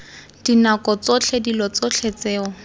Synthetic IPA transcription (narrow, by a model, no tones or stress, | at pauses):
d̥inakɔt͡sot͡ɬʰedilɔt͡sot͡ɬʰet͡sɛːɔ